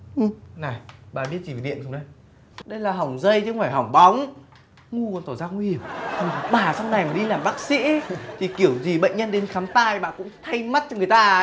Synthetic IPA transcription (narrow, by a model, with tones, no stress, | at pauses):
ʔɨ˨˩na˨˩jɓaː˨˩ɓi˦˥ət̚t͡ɕi˧˨˩ve˨˩ɗḭ˧˨ənsʊ˨˧ŋ͡mɗə˧˦j | ɗə˧jlaː˨˩ɦa˨˩wŋ͡mzə˧jt͡ɕɨ˧ŋfaː˧˩jɦɔ˨˧˩wŋ͡mɓa˨˦wŋ͡m | ŋu˧kːnt̪o˧˩zaː˧ŋwi˧hi˧˩əm˨˩ɓaː˨˩sa˧wŋ͡mna˨˩jmaː˨˩ɗi˧laː˨˩mɓaː˦˥k̚sḭ˧˥t̪ʰi˨˩ki˧˩əwzi˨˩ɓə̰˧˨jŋ̟ɲə˧nɗe˨˦nxaː˨˦mt̪a̰ː˧˨jɓa̰ː˧˨kʊ̰˧˥ŋ͡mt̪ʰa˧jma˦˥t̚t͡ɕɔ˧ŋɨ˨˩əjt̪aː˧